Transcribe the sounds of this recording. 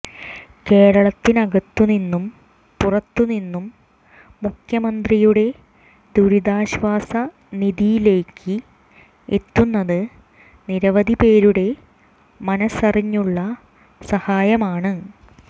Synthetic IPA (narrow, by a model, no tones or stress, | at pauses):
ke̞ːɻɐɭɐt̪ːinɐɣɐt̪ːuninːum | purɐt̪ːuninːumː | ukʰjɐmɐnd̪rijuɽe̞ | d̪uɾiðaːɕʋaːsɐ | niðijile̞ːkʰːɨ | et̪ːunːɐðɨ | niɾɐʋɐd̪ʱipe̞ːɾuɽe̞ | mɐnɐsɐriɲːuɭːɐ | sɐhaːjɐmaːɳɨ